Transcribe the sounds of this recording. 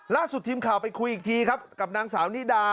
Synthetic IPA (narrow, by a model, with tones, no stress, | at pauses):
laː˥˩su˨˩t̪ʰːiː˧mkʰaː˨˩wpa˧jkʰu˧jʔiː˨˩k̚t̪ʰiː˧kʰa˦˥p̚ka˨˩p̚naː˧ŋsaː˩˦wniː˦˥˩daː˧